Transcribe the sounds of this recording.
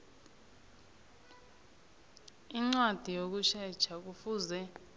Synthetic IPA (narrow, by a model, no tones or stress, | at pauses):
iŋ͡ǀwad̥ʱijok̬uʃɛd̥t͡ʃʰak̬ufuːzɛ